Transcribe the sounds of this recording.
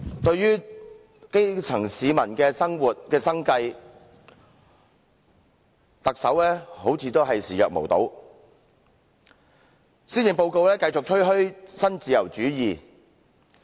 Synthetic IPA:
t̪ɵ˧ɥjyː˥ | ke˥jt͡sʰɐ˨˩ŋsiː˨˧mɐ˨˩nkɛː˧sɐ˥ŋwuː˨t̚kɛː˧sɐ˥ŋkɐ˧j | t̪ɐ˨k̚sɐ˨˥wlɛː˥ho˨˥wt͡sʰiː˨˧t̪o˥wɦɐ˨jsiː˨jœː˨k̚mo˨˩wt̪o̰˨˥w | siː˥njɪ˨ŋpo˧wko˧wlɛː˥kɐ˧jt͡sʊ˨k̚t͡ʃʰɵ˥ɥɦɵ˥ɥsɐ˥nt͡siː˨jɐ˨˩wt͡syː˨˥jiː˨

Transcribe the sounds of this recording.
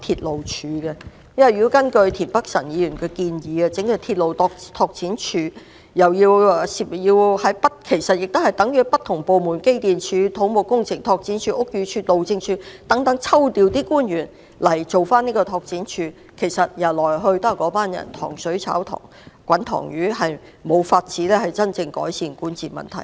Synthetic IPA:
t̪ʰiː˧t̚lo˨wt͡ʃʰyː˨˧ɡɛ˧ | jɐ˥wɐ˨jy˧wkɐ˥nkɵ˧ɥt̪ʰiː˨˩npɐ˥k̚sɐ̰˨˩njiː˨˧jyː˨˩nkɛː˧kiː˧njiː˨˥ɐ˧t͡sɪ˨˥ŋjə˧t̪ʰiː˧t̚lo˨wt̪ɔ˧t̪ʰɔː˧k̚t͡siː˨˥nt͡ʃʰyː˨˧ | jɐ˨˩wjiː˧wsi˨˧pjiː˧whɐ˨˥jpɐ˥t̚kʰe˨˩jsɐ˨t̚jɪ˨k̚t̪o˥hɐ˨jt̪ɐ˨˥ŋjyː˨˥pɐ˥t̪ʰːʊ˨˩ŋpo˨wmuː˨˩nke˥jt̪iː˨nt͡ʃʰyː˨˧t̪ʰo˨˥wmo˨˩wkʊ˥ŋt͡sʰɪ˨˩ŋt̪ʰɔː˧k̚t͡siː˨˥nt͡ʃʰyː˧˥ʔʊ˥k̚jyː˨˧˥t͡ʃʰyː˧t̚lo˨wt͡sɪ˧ŋt͡ʃʰyː˧t̪ɐ˨˥ŋt̪ɐ˨˥ŋt͡sʰɐ˥wt̪iː˨˧wt̪iː˥kuː˥nɥyː˨˩n | lɐ˨˩jt͡so˨wfaː˥niː˥kɔː˧t̪ʰɔː˧k̚t͡siː˨˥nt͡ʃʰyː˨˧ | kʰe˨˩jsɐ˨t̚jɐ˨˩lɔː˨˩jɦɵ˧ɥt̪ɐ˥kkːɔː˨˥paː˥njɐ̰˨˩nt̪ʰɔ̰ː˨˩ŋsɵ˨˥ɥt͡sʰa̰ː˨˥wt̪ʰɔ̰ː˨˩ŋ | kʷwɐ˨˥nt̪ʰɔ̰ː˨˩ŋjyː˨˥hɐ˨j | mo˨˧wfaː˧t̚t͡siː˨˥lɛː˥hɐ˨jt͡sɐ˥nt͡sɪ˧ŋkɔ̰ː˨˥jsiː˨˩nkuː˨˥nt͡siː˨mɐ̰˨nt̪ʰɐ̰˨˩j

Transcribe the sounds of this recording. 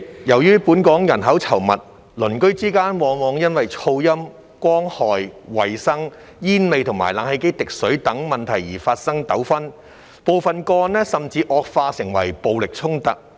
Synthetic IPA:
jɐ˨˩wjyː˥puː˨˥nkɔː˨˥ŋjɐ˨˩nɦɐ˨˥wt͡sʰɐ˨˩wmɐ˨t̚ | lɵ˨˩nkɵ˥ɥt͡siː˥kaː˥nwɔː˨˧ŋwɔː˨˧ŋjɐ˥nwɐ˨jt͡sʰo˧wjɐ˥m | kʷɔː˥ŋhɔː˨jwɐ˨˩jsɐ˥ŋ | jiː˥nme˨˧jt̪ʰʊ˨˩ŋma̰ː˨˩jla̰ː˨˥ŋhe˧jke˥jt̪ɪ˨k̚sɵ˨˥ɥt̪ɐ˨˥ŋmɐ˨nt̪ʰɐ˨˩jːiː˨˩faː˧t̚sɐ˥ŋt̪ɐ˨˥wfɐ˥n | po˨wfɐ˨nkɔː˧nlɛː˥sɐ˨mt͡siː˧ʔɔː˧k̚faː˧sɪ˨˩ŋwɐ̰˨˩jpo˨wlɪ˨k̚t͡sʰʊ˥ŋt̪ɐ˨k̚

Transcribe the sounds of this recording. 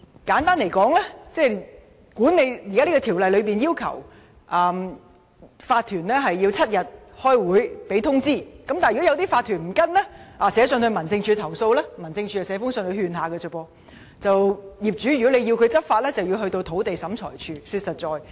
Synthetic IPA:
kaː˨˥nt̪aː˥nle˨˩jkɔː˨˥ŋlɛː˥t͡sɛː˥˩ | kuː˨˥nːe˨˧jjiː˨˩kaː˥liː˥kɔː˧t̪ʰiː˨˩wlɐ˨jlɵ˨˧ɥpiː˨njiː˥wkʰɐ̰˨˩w | ʔɐː˨m | faː˧t̪ʰyː˨˩nlɛː˥ɦɐ˨jːiː˧wt͡sʰɐ˥t̚jɐ˨t̚ | hɔː˥jwuː˨˥jpe˨˥jt̪ʰʊ˥ŋt͡siː˥˩kɐ˨˥mt̪aː˨˩jɔ˥jɐ˨˧wt̪iː˥faː˧t̪ʰːyː˨˩nm̩˨˩kɐ˥nlɛ˥ʔaː˨sɛː˨˧˥sœː˨˧ŋhɵ˧mɐ˨˩nt͡sɪ˧ŋt͡ʃʰyː˧t̪ʰɐ˨˩wso˧wlɛː˥mɐ˨˩nt͡sɪ˧ŋt͡ʃʰyː˧jɐ˨˩sɛː˨˧˥fʊ˥ŋsœː˧ŋt̪ɵ˧ɥhyː˧nɦaː˨˧kɛ˧ɵ˨˩pɔː˧ | t͡sɐ˨wjiː˨p̚t͡ʃyː˨˥jy˨˩kɔ˨˥le˨˧ji˧wkʰɵ˨˧ɥt͡sɐ˥t̚faː˧t̚lɛː˥t͡sɐ˨wji˧wɦɵ˧ɥt̪o˧wt̪ʰo˨˥wt̪e˨jsɐ˨˥mt͡ʃʰɔ̰ː˨˩jt͡ʃʰyː˧syː˧t̚sɐ˨t̚t͡sɔː˨j

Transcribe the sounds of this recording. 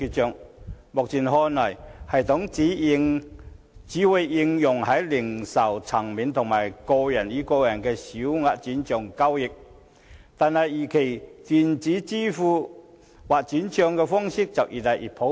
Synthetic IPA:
ky˧t̚t͡ʃœː˨˧ŋmʊ˨k̚t͡siː˨˩nhɔː˧nɔː˨˩jhɐ˨˩jt̪ʰʊ˨˥ŋi˨˥˧ | t͡siː˨˥wʊ˨˧jːɪ˧ŋjʊ˨˩ŋhɐ˨˥jlɪ˨˩ŋsɐ˨˩wt͡sʰɐ˨˩ŋmiː˨nt̪ʰʊ˨˩ŋmaː˨˩jkɔ˧jɐ˨˩njiː˨˧˥kɔː˧wjɐ˨˩nkɛː˧siː˨˥wŋaː˧t̚t͡siː˨˥nt͡ʃœː˨˧ŋkɐ˥wjɪ˨k̚ | t̪aː˨nhɐ˨jːiː˨˩kʰe˨˩jt̪iː˨nt͡siː˨˥t͡siː˥fuː˧ | waː˨t̚t͡siː˨˥nt͡ʃœː˧ŋkɛː˧fɔː˥ŋsɪ˥k̚t͡sɐ˨˩wʔiː˨˩t̪a˨˩jʔḭ˨˩t̚pʰo˨˥

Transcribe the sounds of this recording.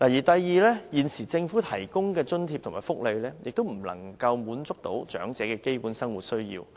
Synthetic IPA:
laː˨˩jiː˨˩t̪ɐ˨jːiː˨˧lɛː˥jiː˨nsiː˨˩t͡sɪ˧ŋfuː˨˥t̪ʰɐ˨˩jkʊ˥ŋkɛː˧t͡ʃɵ˥nt̪ʰiː˧p̚t̪ʰʊ˨˩ŋmaː˨˩jfʊ˥k̚le˨˧jlɛː˥jɪ̰˨k̚t̪o˥wm̩˨˩lɐ̰˨˩ŋkɐ˧wmuː˨˥nt͡sʊ˥k̚t̪o̰˨˥wt͡ʃœ̰ː˨˥ŋt͡sɛː˨˥kɛː˧ke˥jpuː˨˥nsɐ˥ŋwu˨t̚sɵ˥ɥjḭː˧w

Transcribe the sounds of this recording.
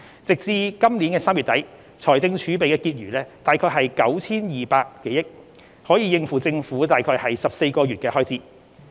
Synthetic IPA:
t͡sɪ˨k̚t͡siː˧kɐ˥mliː˨˥nkɛː˧saː˥mɥy˨t̪ɐ˨˥j | t͡sʰɔː˨˩jt͡sɪ˧ŋt͡ʃʰyː˨˥pe˨jkɛː˧kiː˧t̚ɥyː˨˩lɛː˥t̪aː˨jkʰɔː˧jɦɐ˨jkɐ˨˥wt͡sʰiː˥njiː˨˩paː˧kːe˨˥jɪ˥k̚ | hɔː˨˥jiː˨˧jɪ˧ŋfuː˨˩t͡sɪ˧ŋfuː˨˥t̪aː˨jkʰɔː˧jhɐ˨jsɐ˨p̚se˧jkɔː˧ɥyː˨t̚kɛː˧hɔː˥jt͡siː˥

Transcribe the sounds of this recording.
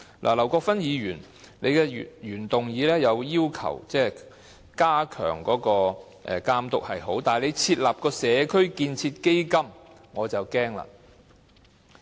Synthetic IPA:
lʔa̰ː˨˩lɐ˨˩wkɔː˧kfɐ˥njiː˨˧jyː˨˩n | ne˨˧jkɛː˧˨jyː˨˩nt̪ʊ˨ŋjiː˨˧lɛː˥jɐ˨˧wjiː˥wkʰɐ̰˨˩wt͡sɛː˥ | kaː˥kʰœ̰ː˨˩ŋkɔː˨˥kɔː˧ | ʔɛ̰ː˨˩kaː˧mt̪ʊ˨k̚hɐ˨jɦo˨˥wt̪aː˨jle˨˧jt͡sʰiː˧t̚laː˨p̚kɔː˧sɛː˨˧kʰɵ˥ɥkiː˧nt͡sʰiː˧t̚ke˥jkɐ˥m | ŋɔː˨˧t͡sɐ˨˩wkɛː˥ŋla̰˨

